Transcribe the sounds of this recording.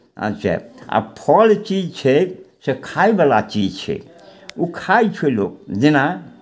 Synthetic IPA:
ə̰tːt͡ʃʰa̰a̰pʰɔlt͡ʃid͡ʒt͡ʃʰɛsekʰaibalat͡ʃid͡ʒt͡ʃʰɛ̰ | ukʰait͡ʃʰelokd͡ʒina

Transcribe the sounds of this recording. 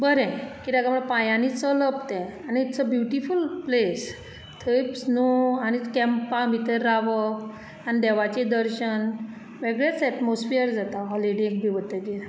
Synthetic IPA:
bəɾɛ̃kid̪aɡaməɭpãjãnit͡sələpt̪ɛ̃aniːt̪t͡səbjuʈifulples | t̪ʰəjpsnuañikɛmpamit̪eɾːaʋə | anid̪ɛʋat͡ɕed̪əɾɕən | ʋeɡɭjat͡sɛʈmosfiəɾd͡zat̪aɦɔliɽekbiʋət̪ːekiɾ

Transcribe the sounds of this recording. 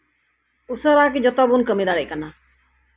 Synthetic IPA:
usəɾaːk̬id͡ʒɔt̪ɔbunkəmid̪aɽeʔkanaː

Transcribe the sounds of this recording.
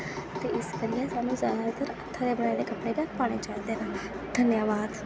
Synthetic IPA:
t̪eʔɪskəɾijasãnũzaːd̪at̪əɾət̪ʰːad̪ebəɽ̃ajad̪ekəpɽ̃ekakpaːɽ̃et͡ʃaɦĩnd̪ena | d̪ʱənjaʋaːd̪

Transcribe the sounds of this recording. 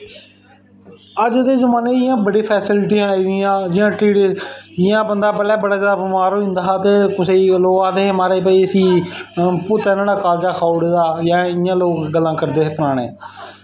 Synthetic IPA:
əd͡ʒd̪eːzəmaːneːɪjãːbəɽeːpʰɛːsɪlʈiːɦãːãːd͡ʒɪjãːʈɾiːɽeːɪjãːbənd̪aːbəɽaːbəɽaːd͡ʒaːdaːbɪmaːɾoːɪ̃nd̪aːɦaːt̪eːkʊseiːloːɡaːd̪eːmaːɾeːpəiːəsĩː | pʊt̪ɛːnaːɽaːkaːld͡ʒaːkʰaːɽeːd̪aːjãːɪjãːloːkɡəlːãːkəɾd̪eːepəɾaːɽ̃ḛː

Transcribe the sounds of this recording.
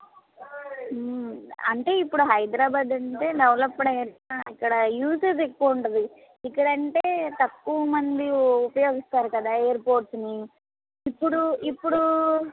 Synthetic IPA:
ɐ̰ɳʈe̞ːipːuɽuɦɐjd̪ɾaːbaːd̪ɐɳʈe̞ːɖɐʋlɐpːɐɽɐɐɾaikːɐɽɐjuːset̪ekːuːɳʈɐd̪i | ikːɐɽɐɳʈe̞ːt̪ɐkːuʋɐmɐnd̪iupɐjoːɡist̪aːɾukɐd̪aːeːɐɾpoːɾʈsniː | pːuɽuipːuɽu

